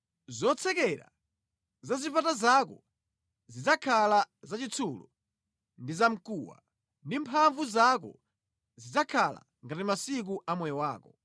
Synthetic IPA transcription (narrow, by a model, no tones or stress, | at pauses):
zɔt͡sʰɛkɛɾa̰ | zazipatazakɔ | zid͡zakʰalazat͡ʃit͡sʰulɔ̰ | ndizam̩kuwa̰ | ndimpʰaɱvuzakɔ̰ | zid͡zakʰala̰ | ŋɡatimasik̬uʔamwɛjɔwaːkɔ